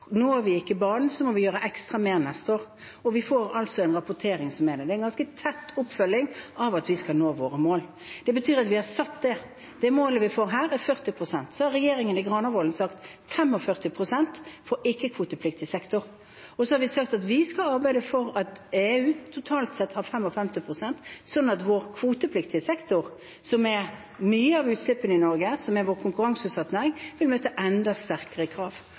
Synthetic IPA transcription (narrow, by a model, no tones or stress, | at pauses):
nuːæʋɪɪkːəbɑːnn̩sɔmɔʋɪjøːɾəʔɛkst̪ɾɑmeːɾnɛst̪əoːɾ | ɔʋɪfoːɾɑlt̪sɔɛnɾɑpʊt̪ʰeːɾɪŋsɔmːɛd̪ɛd̪ɛæɛnɡɑnskət̪ʰɛt̪ːʊpfœlːɪŋʔɑʋɑt̪ʋɪskɑlnoːʋoːɾəmoːl | d̪̥ɛbət̪ʰyːɾɑt̪ʋɪhɑɾsɑt̪ːd̪ɛ | d̪̥ɛmoːləʋɪfoːɾɦæːɾɛɾfœʁt̪ɪpʰɾʊsɛnt̪sɔhɑɾɛjeːɾɪŋənɪɡɾɑnɑʋoːlnsɑkt̪fɛmːɔfœʁt̪ɪpʰɾʊsɛnt̪foːɾɪkːəkʰʋuːt̪əpʰlɪkt̪ɪsɛkt̪ʊɾ | ɔsɔhɑɾʋɪsɑk̚t̪ɑt̪ʋɪskɑɑɾbæɪd̪əfɔɾɑt̪eːʉːt̪ʰʊt̪ʰɑːlt̪sɛt̪hɑɾfɛmːɔfɛmt̪ɪpʰʁʊsɛnt̪sɔd̪nɑt̪ʋoːɾkʰʋuːt̪əpʰlɪkt̪ɪəsɛkt̪ʊɾ | sɔmɛ | myːəɑʋʉːt̪slɪpːənɪnɔɾɡəsɔmɛɾʋoːɾkʰʊŋkʉɾɑŋsʉːt̪sɑt̪næɪŋʋɪlmøːt̪əʔɛnd̪ɑst̪æɾkəʁəkʰɾɑːʋ